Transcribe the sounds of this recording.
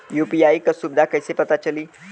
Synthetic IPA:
jupiaikəsub̚d̪ʱakəjsepət̪at͡ɕəliː

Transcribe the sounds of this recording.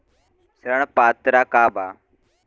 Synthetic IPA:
səɾəɳpaːt̪ɾaːkaːbaː

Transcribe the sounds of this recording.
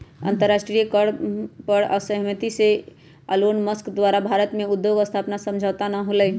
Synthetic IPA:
ə̰̃nt̪əɾːaʃʈɾijəkəɽpəɾə̰səɦmət̪ise | ə̰loːnməskd̪waːɾabʱaːɾət̪mẽʊd̪joɡəst̪ʰaːpnasə̃md͡ʒʱat̪anaɦoləj

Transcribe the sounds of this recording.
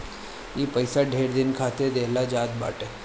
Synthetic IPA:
jepɐɪsaɖʱeːɽd̪ɪnkʰaːt̪ed̪eːlad͡ʒaːd̪̚ba̰ːʈeː

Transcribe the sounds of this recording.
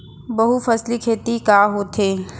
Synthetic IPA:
bɐɦufɐslikʰeːt̪ikaːɦoːt̪ʰeː

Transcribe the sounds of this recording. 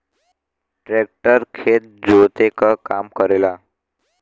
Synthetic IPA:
ʈɾek̚ʈəɾkʰet̪̚d͡zot̪ekakamkəɾela

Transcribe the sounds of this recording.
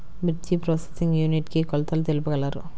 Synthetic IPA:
bit͡ʃːipɾoːsesiŋɡjuːniʈkikɔlɐt̪ɐlut̪elupuɡɐlːaːɾṵ

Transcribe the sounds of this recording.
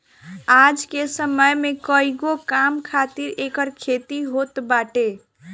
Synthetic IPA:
ad͡ʒkesəməjmekəiɡokamkʰat̪iɾekəɾkʰet̪iɦot̪baʈe

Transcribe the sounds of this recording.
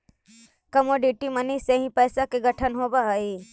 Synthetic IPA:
kɐmoɖiʈiməniseɦĩpəːsakeɡəʈʰənɦoːbaɦəi

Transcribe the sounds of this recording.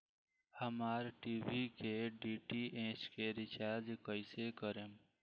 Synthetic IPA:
həmaːɾʈibikeɖiʈiʔẽːt͡ʃkeɾɪt͡ʃaːɾd͡ʒkəɪsekəɾem

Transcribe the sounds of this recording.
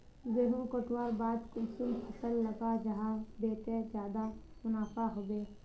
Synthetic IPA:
beːɦũkoʈwaːɾbaːd̪kʊlsulpʰəsəlːəɡad͡ʒəɦabeːt̪ed͡ʒjaːd̪a | mʊnaːfaɦoːbeː

